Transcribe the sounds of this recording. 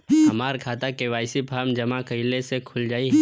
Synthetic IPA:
hɐmaːɾkʰaːt̪akeʋaːɪsipʰaːɾmd͡ʒɐmakɐɪlesekʰʊld͡ʒaːiɦɛ

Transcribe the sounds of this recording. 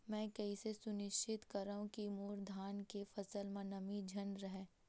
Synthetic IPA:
mɛ̃ːkɛɦisesʊnɪʃt͡ʃʰɪt̪kɐɾaːɦũkimoːɾd̪ʱaːnkefɐsəlmãnɐmid͡ʒʱɐnɾɐɦɛː

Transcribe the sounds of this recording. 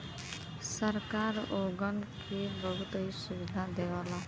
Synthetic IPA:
səɾkaːɾoːɡənkʰibəɦʊt̪ɾisʊʋɪd̪ʱad̪eːʋaːlaː

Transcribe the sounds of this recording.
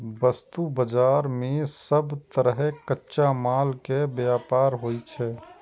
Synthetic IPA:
bəst̪ubəd͡ʒaːɾmẽsəbt̪əɾəɦkətːʃamaːlkebjaːpaːɾɦoːit͡ʃʰɛː

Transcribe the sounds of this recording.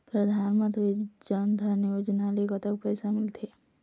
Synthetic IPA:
pɾəd̪ʱaːnmə̃nt̪ɾid͡ʒənd̪ʱənijod͡ʒnalekət̪ək̚pəjsamɪlt̪ʰe

